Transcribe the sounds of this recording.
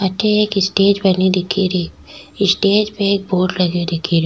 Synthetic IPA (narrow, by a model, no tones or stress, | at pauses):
ɐtːʃʰeeːkɪsʈeːd͡ʒbɐnid̪ɪkʰːiɾiː | ɪsʈeːd͡ʒpẽeːk̚boːɖlɐɡjod̪ɪkʰːiɾi